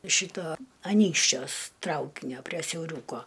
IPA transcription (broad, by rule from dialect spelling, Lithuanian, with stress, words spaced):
ˈʃʲiːtoː ɐˈnʲiːkʃʲt͡ʃʲuɔs ˈtrɐʊkʲɪnʲoː pʲrʲiɛ sʲɛʊˈrʲuːkoː